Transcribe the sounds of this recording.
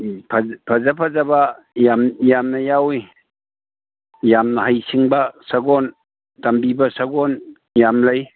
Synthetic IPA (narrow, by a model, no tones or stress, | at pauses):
pʰpʰazapʰazaba | jamjamnɐjawi | jamnɐhajsiŋbɐsaɡɔn | tɐmbibɐsaɡɔn | jamlaj